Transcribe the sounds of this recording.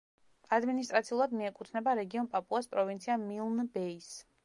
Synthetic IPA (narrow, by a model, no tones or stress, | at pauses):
ad̪minis̬t̪ʼɾat̪sʰiulˠad̪miɛkʼut̪ʰnɛbaɾɛɡiɔnpʼapʼuaspʼɾɔvint̪sʰiamilˠnbɛis